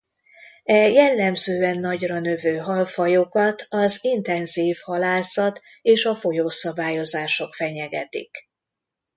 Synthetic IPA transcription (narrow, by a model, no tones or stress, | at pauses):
ɛjɛlːɛmzøːɛnːɒɟrɒnø̞vøːɦɒlfɒjokɒt̪ʰɒzint̪ɛnziːfhɒlaːsɒt̪ | eːʃɒfo̞joːsɒbaːjo̞zaːʃo̞kfɛɲɛɡɛt̪ḭk